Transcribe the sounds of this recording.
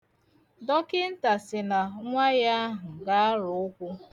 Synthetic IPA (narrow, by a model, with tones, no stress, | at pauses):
dɔ˦kɪ˦n̩˦ta˨sɪ˨na˨ŋʷa˦ja˦a˦ɦʊ˨ɡa˦a˦ɾʊ˨ʊ˦kʷʊ˦